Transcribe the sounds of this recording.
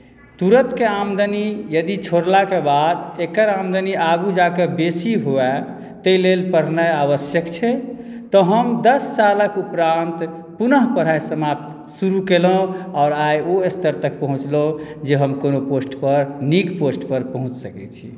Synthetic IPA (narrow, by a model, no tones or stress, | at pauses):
t̪uɾət̪keamd̪ənijəd̪it͡ʃʰoɾlakebad̪ekəɾamd̪əniʔaɡud͡ʒakebesiɦoɛ | t̪əilelpəɾnəjaβəsjəkt͡ʃʰɛ | t̪ɔɦəmd̪əsːaləkupɾant̪ | punəɦpəɾ̤ajsəmapt̪ | suɾukelõɔːɾajoest̪əɾt̪əkpəɦũt͡ʃlod͡ʒeɦəmkonoposʈpəɾniɡposʈpəɾpəɦũt͡ʃsəkɛt͡ʃʰḭ